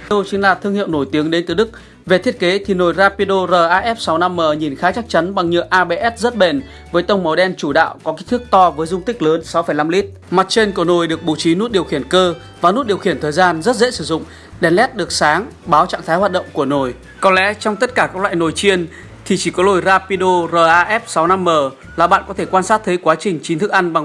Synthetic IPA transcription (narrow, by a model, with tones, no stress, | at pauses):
ə˧wt͡ɕɨ˨˦ŋlaː˨˩t̪ʰɨ˧əŋhḭ˧˨əwno˧˩jt̪i˨˦əŋɗe˨˦nt̪ɨ˨˩ɗɨ˦˥k̚ | ve˨˩t̪ʰi˦˥ət̚ke˨˦t̪ʰi˨˩no˨˩jzaː˧pi˧ɗo˧zəː˨˩ʔaː˧ʔɛ˦˥p̚sa˨˦wna˧mːəː˨˩ɲi˨˩nxaː˨˦t͡ɕa˦˥k̚t͡ɕa˨˦nɓa˨˩ŋɲɨ̰˧˨ʔaː˧ɓe˧ʔɛ˦˥t̚zə˦˥t̚ɓe˨˩n | vəː˨˦jt̪ə˧wŋ͡mmə˨˦wɗɛ˧nt͡ɕu˧˩ɗa̰ː˧˨wkɔ˨˦kɛ˦˥t̪ʰək̚t̪ɔ˧vəː˨˦jzʊ˧ŋ͡mt̪ï˦˥k̟̚ləː˨˦nsa˨˦wfə˧˩jna˧mli˦˥t̚ | ma˨˩t̚t͡ɕe˧nku˧˩əno˨˩jɗɨ˨˩ək̚ɓṵ˧˩t͡ɕi˨˦nu˦˥t̚ɗi˨˩əwxi˧˩ənkəː˧ | vaː˨˩nu˦˥t̚ɗi˨˩əwxi˧˩ənt̪ʰəː˨˩jzaː˧nzə˦˥t̚zḛ˧˥sɨ˧˩zʊ̰˧˨ŋ͡m | ɗɛ˨˩nlɛ˦˥t̚ɗɨ˨˩ək̚saː˨˦ŋɓaː˨˦wt͡ɕa̰ː˧˨ŋt̪ʰaː˨˦jhwa˨˩t̚ɗə̰˧˨ŋ͡mku˧˩əno˨˩j | kɔ˨˦nlɛ̰˧˥t͡ɕɔ˧wŋ͡mt̪ə˦˥t̚kaː˧˩kaː˦˥kla̰ː˧˨no˨˩jt͡ɕi˧ən | t̪ʰi˨˩t͡ɕi˧˩kɔ˨˦lo˨˩jzaː˧pi˧ɗo˧zəː˧˩ʔaː˧ʔɛ˦˥p̚sa˨˦wna˧mːəː˨˩ | laː˨˩ɓa̰ː˧˨nkɔ˨˦e˧˩kwaː˧nsaː˦˥t̚t̪ʰə˨˦jkwaː˨˦t͡ɕï˨˩ŋ̟t͡ɕi˨˦nt̪ʰɨ˦˥k̚ʔa˧jŋ̟ɓa˧˩ŋ